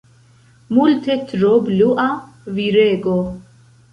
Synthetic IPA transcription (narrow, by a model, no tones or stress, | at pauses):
mult̪ʰɛt̪ɾobluʔa | viɾeːɡo